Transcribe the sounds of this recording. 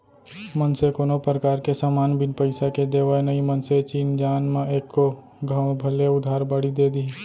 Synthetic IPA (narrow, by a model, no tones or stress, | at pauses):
mənsekonopɾəkaːɾkesaːmaːnbɪnpəɪsaked̪eːʋaenəimənset͡ʃiːnd͡ʒaːnmẽeːkːo | ɡʱãːʊ̃bʱəleʊd̪ʱaːɾbaːɽid̪eːd̪iː